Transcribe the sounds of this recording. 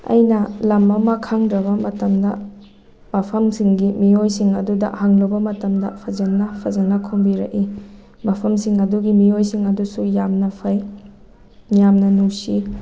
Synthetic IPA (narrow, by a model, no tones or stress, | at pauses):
ɐ̰jnɐlɐmɐmɐkʰaŋdɾɐβɐmɐtɐmdɐ̰ | mapʰɐmsiŋɡimiojsiŋɐ̰dudɐ̰haŋlɐwbɐmɐtɐmdɐ̰pʰɐzɐnːɐpʰɐzɐnɐkʰombiɾɐ̰ʔi | mɐpʰɐmsiŋɐduɡimiojsiŋɐdusujamnɐpʰɐj | njamnɐnusi